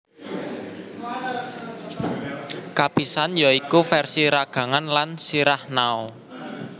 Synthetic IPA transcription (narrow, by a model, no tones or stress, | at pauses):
kapisanjaikufɛrsiɾaɡ̥a̤ŋanlansiɾahnaɔ